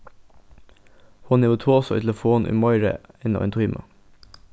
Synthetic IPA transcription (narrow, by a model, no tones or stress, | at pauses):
huːnɛʋət̪ʰuːɔsɔḭːt̪ʰɛlfoːnʔḭːmɔʏɾə̰ɪnɑ̰ʋɛnt̪ʰʊiːmʔə̰